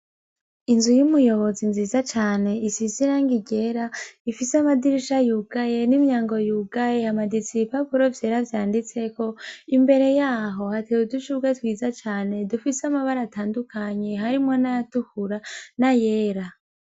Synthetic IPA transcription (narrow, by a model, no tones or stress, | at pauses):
inzujumujo̞βo̞zinziːzat͡ʃaːne̞isiziɾaŋɡiɟe̞ɾaifiseamadiɾiʃajuːɡaje̞nimɲaːŋɡo̞juːɡajeamadisipapuɾovje̞ːɾavjaːndit͡se̞ko̞imbe̞ɾe̞jaːɦo̞hatewuduʃuɡatwiːzat͡ʃaːne̞dufiseamaβaɾataːndukʰaɲe̞ɦaɾimŋo̞najatukuɾanaje̞ːɾa